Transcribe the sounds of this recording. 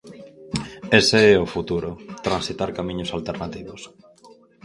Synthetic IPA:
eseɛofut̪uɾʊt̪ɾãnsit̪aɾkamĩɲʊsalt̪eɾnat̪iβos

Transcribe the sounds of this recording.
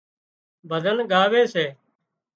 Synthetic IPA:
bʱəd̪ʱənɡaːʋeːseː

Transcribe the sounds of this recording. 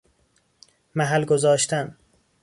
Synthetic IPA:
mæɦælɡozɒːʃt̪ʰæn

